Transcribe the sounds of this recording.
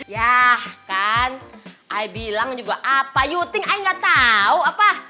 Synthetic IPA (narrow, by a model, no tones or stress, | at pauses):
jahkanʔaibilaŋd͡ʒuɡaʔapajut̪ɪŋaiŋɡaʔt̪auapa